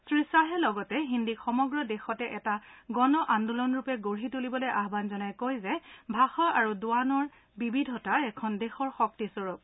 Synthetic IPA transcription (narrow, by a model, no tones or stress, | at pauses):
sɹisaɦɛlɔɡɔtɛɦindikxɔmɔɡɹɔdɛxɔtɛʔɛtaɡɔnɔʔandulɔnɹupɛɡoɹɦitulibɔlojʔaɦbanzɔnajkojzɛbʱaxɔʔaɹuduanɔɹ | bibidʱɔtaɛkʰɔndɛxɔɹxɔk̚tisɔɹup